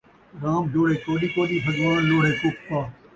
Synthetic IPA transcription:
ɾaːmd͡ʒoːɽeːt͡ʃoːɗiːkoːɗiːsɐd͡ʒʋaːnloːɽeːkʊk̚t̪aː

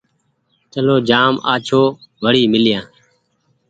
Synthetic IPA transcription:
t͡ʃəloːd͡ʒaːmaːt͡ʃʰoːʋəɽiːmɪlɪjãː

